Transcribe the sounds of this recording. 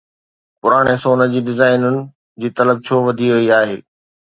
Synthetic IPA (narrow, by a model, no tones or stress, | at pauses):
pʊɾaːɽ̃esoːnə̆d͡ʑiːɖɪzaːɪnʊnɪ̆ | d͡ʑiːt̪ɐləb̚t͡ɕʰoːʋɐd̪ʱiʋʊiaːɦeː